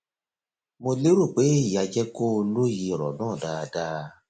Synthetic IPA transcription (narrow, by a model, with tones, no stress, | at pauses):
mo˨le˦ɾo˨k͡peː˦˨ja˨d͡ʒɛ˦ko˦lo˦ji˨ɾɔ̰˨nɔ̃˦˨daː˨daː˦